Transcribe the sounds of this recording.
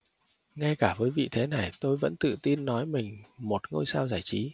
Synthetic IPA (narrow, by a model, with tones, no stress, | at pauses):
ŋa˧jkaː˧˩vəː˨˦jvḭ˧˨t̪ʰe˨˦na˨˩jt̪o˧jvə̰˧˥nt̪ɨ̰˧˨t̪i˧nːɔ˨˦jmï˨˩ŋ̟mo˨˩t̚ŋo˧jsaː˧wzaː˧˩jt͡ɕi˨˦